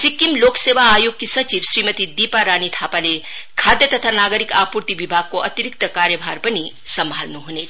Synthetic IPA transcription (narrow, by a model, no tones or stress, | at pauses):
sikːimloksebaːjoɡ̚kisət͡ʃibsɾimət̪id̪ipaɾanit̪ʰapalekʰad̪jət̪ət̪ʰanaɡəɾikapuɾt̪ibibʱaɡ̚koət̪iɾik̚t̪əkaɾjəbʱaɾpəni | səmbʱalnuɦunet͡ʃʰ